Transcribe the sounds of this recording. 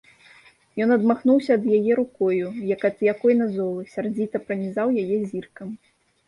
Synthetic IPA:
jɔnɐd̪maxnuwsʲɐːd̪jajɛɾukɔjujɐkɐt̪jakɔjnɐzɔlˠɨsʲard͡zʲit̪ɐpɾɐnʲizawjajɛzʲirkɐm

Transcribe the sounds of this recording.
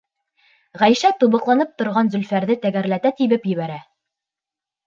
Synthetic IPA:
ʁæjʃæt̪uβɤ̆qlˠɑnɤp̚t̪ŏɾʁɑnzɵ̆lfæɾðɘt̪æɡæɾlæt̪æt̪ibɘpjɘ̆βæɾæ

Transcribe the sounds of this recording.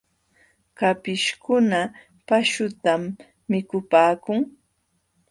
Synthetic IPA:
kapɪʃkʊna | paʃʊt̪amː | ɪkʊpaːkʊŋ

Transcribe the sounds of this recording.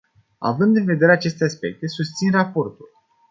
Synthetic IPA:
a̰vɨnd̪ɨnve̞d̪e̞ɾe̞at͡ʃe̞st̪easpe̞k̚t̪e̞sust̪sinrapo̞rt̪ul

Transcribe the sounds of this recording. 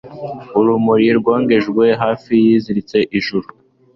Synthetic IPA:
uɾumuɾiɾɡwoːŋɡe̞ʒɡwe̞ɦaːfijiːziɾit͡se̞ʔiʒuɾu

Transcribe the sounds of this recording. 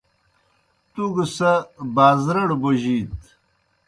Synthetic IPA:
t̪uɡəsɐbaːzɾɐɽboʑiːt̪

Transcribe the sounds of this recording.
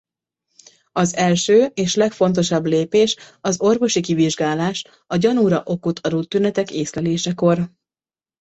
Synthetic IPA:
ɒzɛlʃøːeːʃlɛkfo̞n̪t̪̬o̞ʃɒbleːpeːʃɒzo̞rvo̞ʃikiviʒɡaːlaːʃ | ɒɟɒnuɾɒʔo̞kut̪ʰɒɾut̪ːynɛt̪ɛkeːslɛleːʃɛko̞r

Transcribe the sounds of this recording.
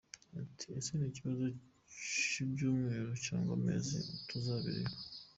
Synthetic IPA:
atʰiesineːciβazo | t͡ʃibɟoːmweːɾociaːŋɡommḛːzḭtʰuzaːβḭɾḛ

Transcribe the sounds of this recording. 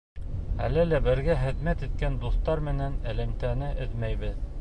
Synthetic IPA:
æ̰lɘlæbɘ̆ɾɡæχɘ̆ðmæt̪it̪̚kænd̪uθt̪ɑɾmɘ̆nænæ̆læmt̪ænɘʔɘðmæjβɘð

